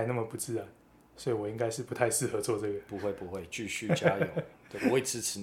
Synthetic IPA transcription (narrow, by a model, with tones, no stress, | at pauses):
ɪna˥˩mə˩pu˧˥t͡sɹ̩˥˧ɻa˨˦n | swɔ˧˥i˨˩wɔ˨˩i˥ŋka˥ɪʂɻ̩˥˩pu˧˥t̪ʰa˥˧ɪʂɻ̩˥˩xɤ˧˥˦t͡swɔ˥˧t͡sɤ˥˩ɡə˩pu˨˦xwe˥˨ɪpu˨˦xwe˥˨ɪt͡ɕy˥˧ɕy˥˨t͡ɕja˦jo˨˦we˥˩ɔ˧˦i˨˩t͡sɹ̩˥ʈ͡ʂ̩ʰ˨˧˦